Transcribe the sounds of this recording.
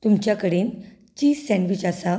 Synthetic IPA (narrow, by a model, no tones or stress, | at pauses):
t̪umt͡ɕjakəɽiːn | t͡ɕiːsɛ̃nɖʋit͡ɕasa